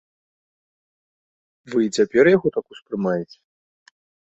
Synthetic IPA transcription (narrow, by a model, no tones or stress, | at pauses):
vɨit͡sʲapʲɛrjaɣɔt̪akuspɾɨmajɛt͡sʲɛ̥